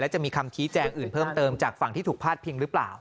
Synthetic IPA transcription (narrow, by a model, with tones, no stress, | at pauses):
lɛ˦˥wt͡ɕa˨˩miː˧kʰa˧mt͡ɕʰiː˦˥t͡ɕɛː˧ŋʔɯː˨˩npʰɤː˥˩mt̪ɤː˧mt͡ɕaː˨˩k̚fa˨˩ŋt̪ʰiː˥˩t̪ʰu˨˩kpʰaː˥˩t̪̚pʰi˧ŋɾɯ˦pla̰ː˨˩w